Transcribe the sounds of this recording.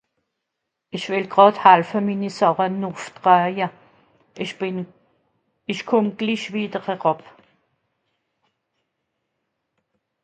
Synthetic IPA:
ɪçv̥ɪlɡ̥ʁɑthalfəmiːnisɔʁənuftʁœjə | ɪʃkʰʊmɡ̥liʃviːdəʁhɛʁɔp

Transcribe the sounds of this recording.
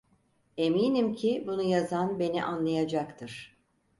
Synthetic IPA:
e̞miːnimcʰibunujazanbe̞nḭʔanlˠajad͡ʒakt̪ʰɯɾ̥

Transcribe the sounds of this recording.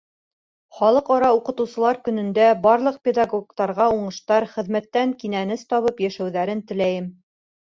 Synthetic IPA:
χɒlˠɤqɒɾɑuqɤ̆t̪ɤ̆wsɤ̆lˠɑɾkɵ̆nɵ̆nd̪æbɑɾlˠɤ̆q̚pʲed̪ɑɡokt̪ɑɾʁɑuɴɤ̆ʃt̪ɑɾχɘ̆ðmæt̪ːæŋkinænɘst̪ɒβɤpjæʃæwðæɾɘnt̪ɘ̆læjɘm

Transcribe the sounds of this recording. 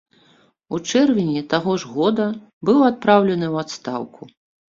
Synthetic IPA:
ut͡ʂɛrvʲɪnʲɛt̪aɣɔʐɣɔd̪ɐ | bɨwat̪̚pɾawlʲɛnɨwat̪st̪awkʰu

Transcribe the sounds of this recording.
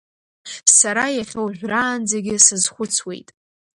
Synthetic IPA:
saɾajaχʲowʒʷᶣraːnd͡zaɡʲɪsɨzχʷʊt͡sʰwe̞̰jtʼ

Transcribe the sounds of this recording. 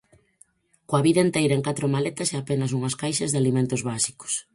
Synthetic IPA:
koaβiðɐent̪ejɾɐeŋkat̪ɾomalet̪ɐsɛapenɐs̬uŋɐskajʃɐzðalimẽnt̪ʊzβasi̥kʊ̥s

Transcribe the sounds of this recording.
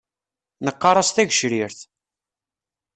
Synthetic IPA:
nəqːɑɾˤɑsθæʝəʃɾiɾθ

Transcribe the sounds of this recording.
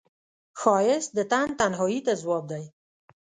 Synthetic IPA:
xɑjɪsd̪ət̪ant̪anɦɑjit̪azwɑb̚d̪aj

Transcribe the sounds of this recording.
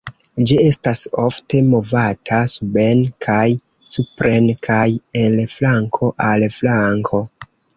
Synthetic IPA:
d͡ʒie̞staso̞fte̞mo̞vatʰasube̞nkʰaj | supɾenkʰajenlflaŋkʰo̞ʔalflaŋkʰo̞

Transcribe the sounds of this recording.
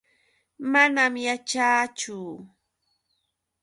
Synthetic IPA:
manamjat͡ʃaːt͡ʃʊ

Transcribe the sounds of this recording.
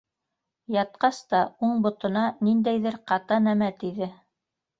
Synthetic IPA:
jɑt̪̚qɑst̪ɑuɴbŏt̪ɤ̆nɑnind̪æjðɘɾqɑt̪ɑnæmæt̪iðɘ

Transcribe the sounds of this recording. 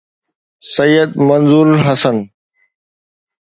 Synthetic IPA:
səjːəd̪mənzuːɾɦɐsən

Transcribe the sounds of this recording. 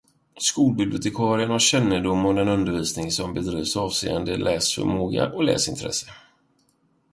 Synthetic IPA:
skuːlbɪbljʊt̪ɪkʰɑːɾɪənhaɕɛnːəd̪ʊmːɔd̪ɛnɵnd̪əɾviːsnɪŋsɔmbɛd̪ɾiːvsɑːvsḛːənd̪əlʔɛːsfœ̰moːɡa̰ʔɔlɛ̰ːsɪnt̪ʰɾɛ̰sə̥

